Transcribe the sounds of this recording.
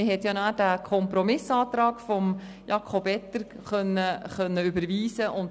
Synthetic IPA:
ɪhɛtjɑnadækʰɔmpɾɔmɪsɑːt̪ɾɑːɡ̥fɔm | jɑkʰobɛt̪əɾ | χœnːəχœnːəʏbəɾviːsəʔʊnt

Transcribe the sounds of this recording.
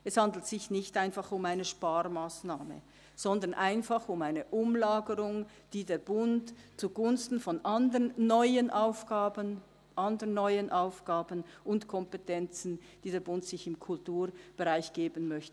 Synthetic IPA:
ʔɛshandl̩tsɪçnɪçtaɪnfɑχʊmaɪnəʃpaːrmaːsnaːmə̰ | z̥ɔndɐnʔaɪnfaχʊmaɪnəʔʊmlaːɡəʁʊŋ | d̥iːdeːɐbʊntt͡suɡʊnstn̩fɔnʔandənːɔʏənʔaʊfɡ̥aːbən | ʔandənːɔʏənʔaʊfɡ̥aːbənʊntkʰɔmpetʰɛnt͡sn̩ | d̥iːdeːɐbʊntsɪçɪmkʰʊltuːɾb̥eʁaɪçɡ̥eːbənmœçtə

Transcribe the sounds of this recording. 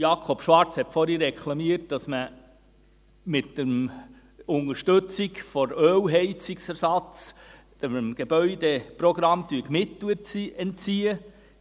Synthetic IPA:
jɑkʰɔpʃʋɑɾt͡shɛtfɔɾiɾːɛkʰlɑmiət̚d̥ɑsmə | mɪtdəm | ʊŋəɾʃtɵt͡sikfɔɾøːwɦɛɪt͡siksæɾsɑt͡s | d̪̥əmɡ̥ebœʏdepɾɔɡɾɑmt̪yːəkmɪt̪ləɛnt͡siːə

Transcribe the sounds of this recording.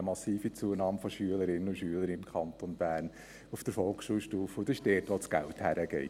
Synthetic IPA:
əmɑsiːfit͡suənɑːmfɔʃyələɾɪnənʊʃyələɾiɪmkʰχɑntonb̥æːrn | ufd̥əɾfɔlksʃuːlʃtuːfəʊdɪʃd̥ɛːtʋot͡sɡ̥æ̰lthæɾəɡ̥ɛ̰ɪt

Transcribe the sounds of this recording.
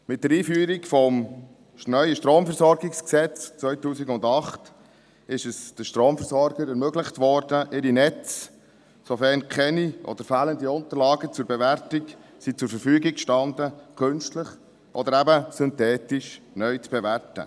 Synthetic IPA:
mɪt̚d̥əɾiːfyːɾikfɔm | nœʏəʃtɾoːmfɛrsɔɾɡɪksksɛt͡st͡sʋœɥtuːsiɡʊndɑχt | ɪʃəsd̥əʃtɾoːmfɛɾsɔɾɡəɾɛɾmøɡləχtʋɔɾd̥əʔɪɾinɛt͡s | sɔfɛɾnkʰɛniʔɔ̰d̪̥əɾfæːləndiʊntəɾlɑːɡət͡sʊɾbeʋæɾtɪksit͡sʊɾfəɾfyːɡɪkʃtɑndəkʰɵnʃtləχ | ʔɔd̪əɾæbəsʏntɛːtɪʃ | nœʏt͡sb̥ɛværtə̰

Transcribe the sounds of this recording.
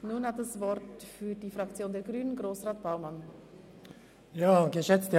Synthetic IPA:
nuːnhatdəsvɔrtfyːdiːfrakt͡sjoːndɛɡʁyːnənɡʁoːsʁaːt̚b̥aʊman | jaːɡəʃɛt͡stə

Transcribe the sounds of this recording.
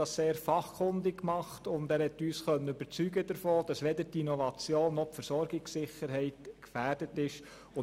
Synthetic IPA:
ɑsseːɾfɑχkʰʊndɪkːmɑχtʊndæːɾhɛtːyːsχœnːəyb̥əɾt͡syɡədəɾfoːd̥ɑsʋɛdətinɔvɑt͡sjoːnːɔχpfəɾsɔɾɡɪksɪχːəɾɦɛɪtkfæːrd̥ətɪʃ | ʊ

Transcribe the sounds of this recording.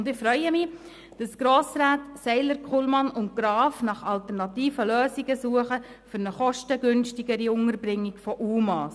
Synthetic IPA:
ndɪχfɾœʏəmɪ | d̥ɑsɡ̥ɾoːsɾaːtsɛɪləɾkχulmɑnʊnt̚ɡ̥ɾɑːfnɑχɑltəɾnɑt̪iːfəløːsiɡəsuəχə | fʏɾnəχɔʃtəɡʏnʃtɪɡəɾiʊŋəɾbɾɪŋːɪɡfɔʔuːmɑːs

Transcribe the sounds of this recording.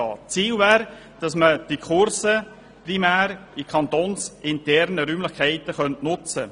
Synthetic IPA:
ɑ̰ːt͡siːlvæːɾ | d̥ɑsməd̥ikʰʊɾsə | primæːɾikʰχɑnt̪oːnsɪntɛɾnəɾyːmlɪχkʰæɪtəχœntnʊt͡sə

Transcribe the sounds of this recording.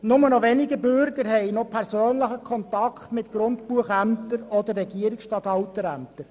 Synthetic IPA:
nʊmənɔʋɛniɡəbʏɾɡəɾɦɛɪnopʰæɾsøːnləχəkʰɔnt̪ɑkχtmɪtɡ̥ɾʊndpuəχæmt̪əɾɔd̪ərːɛɡiəɾɪksʃtɑːt̪ɑwt̪əɾæ̰mt̪əɾ

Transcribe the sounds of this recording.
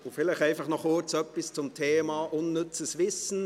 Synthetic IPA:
ofɪlɛɪxæɪfɑχnɔχʊt͡sœpːɪst͡sʊmtʰeːmɑʔʊnːʏt͡səsvɪsn̩

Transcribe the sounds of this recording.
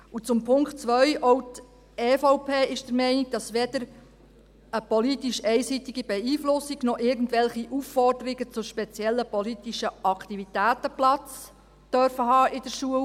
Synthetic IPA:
ut͡sʊmpʰʊŋktt͡sʋœɥʔɔwt | ɛːfɔʊpʰeːɪʃd̥əɾmɛɪniɡ̚d̥ɑsʋɛd̥əɾ | əpɔlitiʃɛɪsitiɡibɛiːflʊsiɡnɔʔɪɾɡn̩tʋɛlχiʔufːɔrdəɾiɡət͡sʊʃpɛt͡sjɛlːəpɔlitiʃəʔɑkʰt̪ivit̪æːtəplɑt͡s | d̥œɾfəɦɑːʔɪdəɾʃuəl

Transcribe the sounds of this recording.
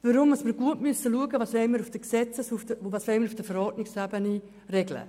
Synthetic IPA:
vəɾʊmɑsməɾɡ̥uətmysəluəɡəvɑːsʋɛɪməɾufd̥əksɛt͡səsufdəvɑːsʋɛɪməɾufd̥əfɛɾɔrdnɪkshæbəni | rɛɡlə̰

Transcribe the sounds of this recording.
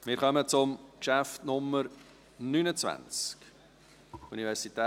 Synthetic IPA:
mɪːɾχœmət͡sʊmkʃæftnʊmːəɾ | nynət͡svæ̰nt͡sk | univɛɾsitɛ

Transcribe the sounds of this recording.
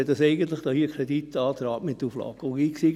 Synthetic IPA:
ɛt̚d̥ɑsɛɪɡən̩t̪lɪχd̥̪ɑhiəkʰɾedit̪ːɑːt̪ɾɑːpmɪt̪ːuflɑ̰kɡiːksi

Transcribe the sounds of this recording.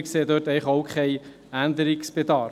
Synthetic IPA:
kseːdøtɛɪχowkχɛɪ | ændəɾiksb̥edɑː

